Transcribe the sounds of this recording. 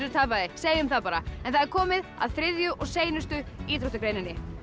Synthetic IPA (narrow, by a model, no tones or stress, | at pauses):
ɾʏɾt̪ʰaːpaðɪseːjʏmθaðpaːɾaɛ̰nθaðɛɾkʰɔːmɪða̰ðθɾɪðjʏʔɔɣseːjnʏst̪ʏiːt̪ʰɾoht̪ʏkɾeːjnɪnːɪ